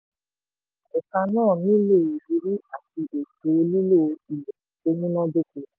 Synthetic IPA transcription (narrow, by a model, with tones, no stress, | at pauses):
e˨ka˧nãː˦˨nĩ˦le˦˨e˨bi˧˦ɾi˦a˨ti˧ʔe˨to˨˧˦li˦lo˦˨˧i˨jɛ˨o˧mũ˦nɔ̃˦do˦ko˨